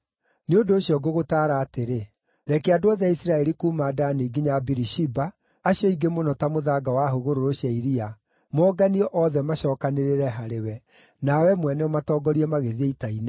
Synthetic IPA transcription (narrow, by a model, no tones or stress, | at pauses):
neondoːɕjɔɡoɣotaːɾaːteɾe | ɾɛkeadoaðaisiɾaɛɾikuːmaːdaneɡiɲabiɾiʃibaː | ɕjɔiɡemonɔtamoðaːɡawaɦoɣoɾoɾoɕaiɾia | mɔːɡaniɔʔɔðɛmaɕɔːkaneɾeɾɛɦaɾewɛ | nawɛmwɛnɛɔmatɔːɡɔɾiɛmaɣeðieitaine